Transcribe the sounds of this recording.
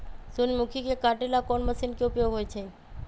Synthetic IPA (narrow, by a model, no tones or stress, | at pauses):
sunmukʰikekaʈelakonməsinkeupjoɡɦojt͡ʃʰe